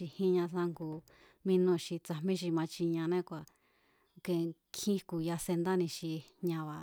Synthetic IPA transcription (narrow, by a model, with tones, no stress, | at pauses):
i˧hĩ˦ɲã˧sã˧ŋɡu˧ | mĩ˧nõ˧ʃi˧t͡sa˧mĩ˦ʃ̬i˧mã˧t͡ʃi˧ɲã˧nẽ˦˧kʷa˨ | ke˧kʰĩ˦ku˧ja˧se˧nd̪a˦nĩ˧ʃi˧ɲã˧βa˨